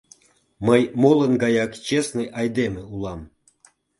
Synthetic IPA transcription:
məjmolənɡɑjɑkt͡ɕesnəjɑjd̪emeulɑm

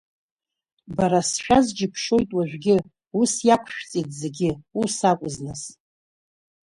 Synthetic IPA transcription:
baɾasʃᶣazd͡ʒɪpʰʂo̞jtʼwaʒᶣɡʲɪ | usjakʷʰʃʷᶣt͡sʼitʼze̞ɡʲɪusakʷʼʊznɨs

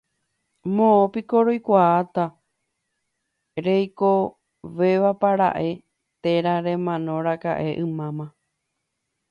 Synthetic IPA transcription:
mõõpiko̞ɾojkʷaːt̪a | ɾe̞jko̞ | ʋe̞ʋapaɾa̰ʔe̞ | t̪e̞ɾaɾẽ̞mãnõ̞ɾaka̰ʔe̞ʔɨ̃mãmã

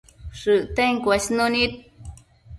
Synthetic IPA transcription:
ʂɨʔt̪eŋkʷaɕnunit̪̚

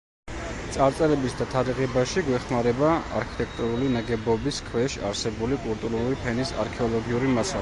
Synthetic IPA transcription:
t̪sʼaɾt̪sʼɛɾɛbisd̪at̪ʰaɾiʁɛbaʃiɡwɛχmaɾɛbaa̰ɾkʰi̥t̪ʼɛk̚ʰt̪ʼuɾulinaɡɛbɔbiskʰwɛʃa̰ɾsɛbulikʼulˠt̪ʼuɾuɾipʰɛnisa̰ɾkʰɛɔlˠɔɡiuɾimasal

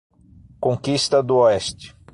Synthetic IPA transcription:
kõkist̪ɐd̪ʊoɛst͡ʃɪ̥

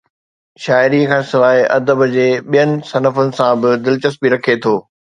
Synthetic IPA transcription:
ʃaːɪɾikʰãːsɪʋaːɦeʔɐ̰d̪əbd͡ʑeːɓijənɪ̆sɐnəfʊnɪ̆sãbɪd̪ɪlt͡ɕəsbiɾɐkʰet̪ʰoː

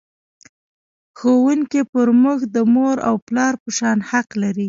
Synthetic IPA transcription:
xowuŋkipəɾmʊxd̪əmoɾa̰wplɑɾpəʃɑnhaqlaɾi

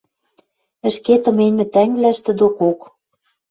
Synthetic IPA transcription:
ɘ̆ʃket̪ɤ̆menʲmɘ̆t̪æŋvlæʃt̪ɘ̆d̪okok

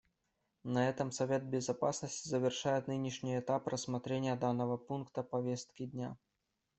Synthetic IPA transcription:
nɐɛt̪ɐmsɐvʲed̪̚bʲɪzapasnəsʲtʲizəvʲɪrʂajɛt̪nɨnʲiʂnʲiɛt̪aprəsmat̪ɾʲenʲɪjəd̪anːɐvɐpunkt̪əpɐvʲest̪̚kʲid̪ʲnʲa

